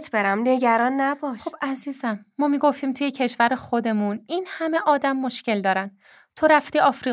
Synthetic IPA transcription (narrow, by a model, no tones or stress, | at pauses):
t̪ʰb̥eɾæmneɟæɾɒːnːæbɒʃxobʔæziːzæmːɒːmiːɡoft̪iːmt̪ʰuje̞cʰe̞ʃvæɾexo̞d̪e̞muninhæme̞ʔɒːd̪æmːo̞ʃce̞ld̪ɒːɾæn | t̪ʰo̞ɾæft̪iːɒːfɾiː